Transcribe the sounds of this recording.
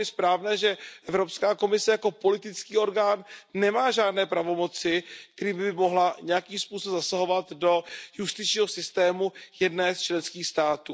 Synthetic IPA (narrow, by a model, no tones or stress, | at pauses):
ɪspɾaːvnɛːʒɛʔɛvɾo̞pskaːko̞mɪsɛjako̞po̞lɪt̪ɪt͡skiːo̞ɾɡaːnːɛmaːʒaːdnɛːpɾavo̞mo̞t͡sɪkt̪ɛɾiːmbɪɪmo̞ɦlaɲɛjakiːmspuːsobzasaɦo̞vat̪do̞just̪ɪt͡ʃɲiːɦo̞sɪst̪ɛːmujɛdnɛːst͡ʃlɛnskiːxst̪aːt̪uː